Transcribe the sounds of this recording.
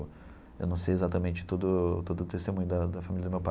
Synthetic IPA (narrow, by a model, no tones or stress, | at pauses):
ʊ | ḛwnɐ̃w̃sejezat̪ɐmẽnt͡ʃɪ̥t̪od̪ʊt̪od̪ʊt̪est̪emũɲʊd̪ɐd̪ɐfamilɐd̪ʊmewpa